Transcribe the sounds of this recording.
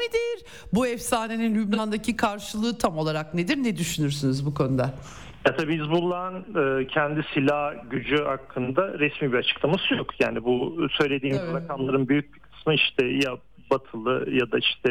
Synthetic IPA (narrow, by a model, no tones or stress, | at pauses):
ned̪iɾ | buɛfsaːne̞ninlʲybnand̪acʰikʰaɾʃɯlˠɯːt̪ʰamo̞lˠaɾakned̪iɾnɛd̪yʃynyɾsynizbukʰo̞nud̪a | jat̪ʰabiːizbulˠːanɯːcʰɛnd̪isilʲahɟyd͡ʒyhakʰːɯnd̪aɾɛsmiːbiɾat͡ʃʰɯ̥klˠamasɯjo̞kʰja̰ːnibusø̞jlʲe̞d̪iːmɾakʰamlˠaɾɯnbyjyc̚bikʰɯ̥smɯiʃt̪ʰɛja | bat̪ʰɯlˠɯjad̪aiʃt̪ʰɛ